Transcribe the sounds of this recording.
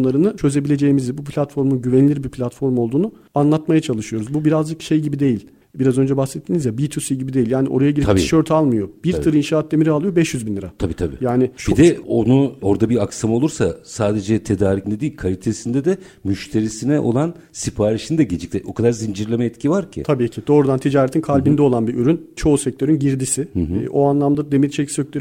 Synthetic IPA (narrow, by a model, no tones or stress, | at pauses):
lˠaɾɯnɯt͡ʃʰø̞ze̞bilʲe̞d͡ʒe̞jimizibup̬ʰlʲat̪fo̞ɾmunɟyvɛnilʲiɾbipʰlʲat̪fo̞ɾmolˠd̪uːnu | anlˠat̪majat͡ʃʰalˠɯʃɯjo̞ɾuzbubiɾazd͡ʒɯkʃe̞jɟibid̪e̞jilʲ | biɾazø̞nd͡ʒɛbaxsɛt̪ʰːiːnizjabit̪ʰusiɟibid̪eilʲjaːniʔo̞ɾajaɡɟiɾiaʃø̞ɾt̪ʰalˠmɯjo̞biɾt̪ʰɯɾɯinʃaːat̪̚ːe̞miɾialˠɯjo̞bɛʃjyzbinlʲiɾat̪ʰabiːt̪ʰabḭːjaːnibid̪ɛo̞nuo̞ɾd̪abiaksamao̞lˠuɾsasaːd̪e̞d͡ʒɛt̪ʰe̞d̪aːɾicned̪ijːilʲkʰalʲit̪ʰesind̪ɛd̪ɛ | myʃt̪ʰe̞ɾisinɛʔo̞̰lˠan | sipʰaːɾiʃind̪ɛɟed͡ʒic̚t̪ʰʲɛʔo̞kʰad̪aɾzind͡ʒiɾlʲemɛɛt̪cʰivaɾcʰɪ̰t̪ʰabiːcʰid̪̥o̞ːɾud̪ant̪ʰid͡ʒaːɾet̪ʰinkʰalʲbind̪ɛo̞lˠanbiʔyɾynt͡ʃʰo̞ːsɛc̚t̪ʰø̞ɾynɟiɾd̪isɪʔo̞anlˠamd̪ad̪e̞miɾit͡ʃʰeicsøclʲeɾ